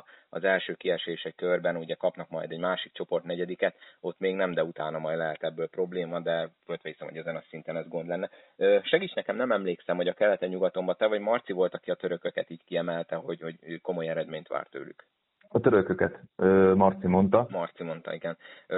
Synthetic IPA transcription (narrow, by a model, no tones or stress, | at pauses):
ɒ̰zɛlʃøːkiɛʃeːʃɛckørbɛnuɟɛkɒpnɒkmɒ̰jd̪ɛɟmaːʃik̚t͡ʃo̞po̞rt̪nɛɟɛd̪ikɛt̪o̞t̪meːɡnɛmd̪ɛut̪aːnɒmɒjd̪lɛɦɛt̪ɛbːøːlpro̞bleːmɒd̪ɛvolt̪ʋɛisɛmho̞ɟɛzɛnɒsint̪ɛnɛzɡo̞nd̪lɛnːɛ | øːʃɛɡiːt͡ʃnɛkɛmnɛmɛmleːksɛmho̞ɟɒkɛlːɛt̪ɛɲuɡɒt̪o̞mbɒt̪ɛvɒɟmɒrt̪sivo̞lt̪ɒkiɒt̪ø̞ɾøkøkɛt̪iːɟkiɛmɛlt̪ɛɦo̞ɟho̞ɟko̞mo̞jɛɾɛd̪meːɲt̪ʋa̰ːrt̪ø̰ːly̰k | ɒt̪øɾøkøkɛt̪øːmɒrt̪simo̞nt̪ɒmɒrt̪simo̞n̪t̪ɒ̰iɡɛn